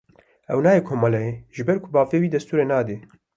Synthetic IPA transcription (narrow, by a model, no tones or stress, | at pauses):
ɛwnaːjeːkʰoːmɑlɛjeʒɨbɛɾkʰʊbaːveːwiːd̪ɛst̪uːɾeːnaːd̪eː